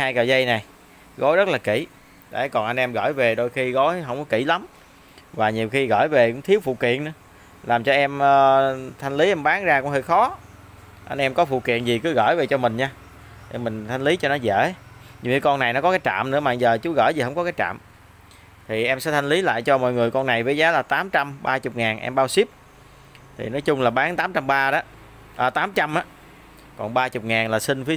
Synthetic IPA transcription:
haː˧jkəː˨˩zə˧jna˨˩j | ɣo˨˦jzə˦˥t̚laː˨˩kḭ˧˩ | ɗa̰ː˧˩kɔ˨˩nʔa˧nʔɛ˧mɣə̰ː˧˩jve˨˩ɗo˧jxi˧ɣo˨˦jɦə˧wŋ͡mkɔ˨˦kḭ˧˩la˨˦m | vaː˨˩ɲi˨˩əwxi˧ɣə̰ː˧˩˨jve˨˩ɨ˧˥ŋt̪ʰi˨˦əwfṵ˧˨kḭ˧˨ənɨ˧˦ə | laː˨˩mt͡ɕɔ˧ʔɛ˧məː˨˧t̪ʰa˧jŋ̟li˨˦ʔɛ˧mɓaː˨˦ŋzaː˧kʊ̰˧˥ŋ͡mhəː˧jxɔ˨˦ | ʔa˧nʔɛ˧mkɔ˨˦fṵ˧˨kḭ˧˨ənzi˨˩kɨ˨˦ɣə̰ː˧˩˨jve˨˩t͡ɕɔ˧mï˨˩ŋ̟ɲaː˧˩ | mï˨˩ŋ̟t̪ʰa˧jŋli˨˦t͡ɕɔ˧nɔ˨˦zḛ˧˩˥ | ɲɨ˧˩i˨˦kɔ˧nːa˨˩jnɔ˨˦kɔ˨˦kaː˨˦jt͡ɕa̰ː˧˨mnɨ̰˧˥əma̰ː˧˨zəː˨˩t͡ɕu˨˦ɣə̰ː˧˩jzi˨˩hɦə˧wŋ͡mkɔ˨˦kaː˨˦jt͡ɕa̰ː˧˨m | t̪ʰi˨˩ʔɛ˧msɛ̰˧˥t̪ʰa˧jŋ̟li˨˦la̰ː˧˨jt͡ɕɔ˧mɔ̰˧˨jŋɨ˨˩əjkɔ˧nːa˨˩jvəː˨˦jzaː˨˦laː˨˩t̪aː˨˦mt͡ɕa˧mɓaː˧t͡ɕʊ˨˩k͡p̚ŋaː˨˩nʔɛ̰˧mɓaː˧wsi˦˥p̚ | t̪ʰḭ˨˩nɔ˨˦jt͡ɕʊ˧ŋ͡mlaː˨˩ɓaː˨˦ŋt̪aː˨˦mt͡ɕa˧mɓaː˧ɗa˨˦ | ʔəː˨˩t̪aː˨˦mt͡ɕa˧mʔaː˨˦ | kɔ̰˨˩nɓaː˧t͡ɕʊ˨˩k͡p̚ŋaː˨˩nlaː˨˩sï˧ŋ̟fi˨˦ə

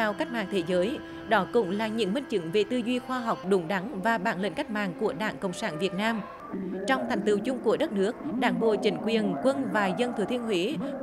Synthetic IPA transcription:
a˧wka˦˥k̚ma̰ː˧˨ŋt̪ʰe˨˦zəː˨˦j | ɗɔ˨˦kʊ̰˧˥ŋ͡mlaː˨˩ɲɨ̰˧˥ŋmï˧ŋ̟t͡ɕɨ̰˧˥ŋve˨˩t̪ɨ˧zwi˧xwaː˧ɦa˨˩wk͡p̚ɗʊ˨˦ŋ͡mɗa˨˦ŋvaː˨˩ɓaː˧˩nlḛ˧˨nka˦˥k̟̚ma̰ː˧˨ŋku˧˩əɗa̰ː˧˩ŋkə̰˧˨wŋ͡msaː˧˩˥nvi˨˩ət̚naː˧m | t͡ɕɔ˧wŋ͡mt̪ʰŋ̟t̪ɨ˧˩wt͡ɕʊ˧ŋ͡mku˧˩əɗə˦˥t̚nɨ˦˥ək̚ɗaː˧˩ŋɓo̰˧˨t͡ɕï˨˦ŋ̟kwi˨˩ənkwə˧nvaː˨˩zə˧nt̪ʰɨ˨˧˩t̪ʰi˧ənɦwḭ˧˥

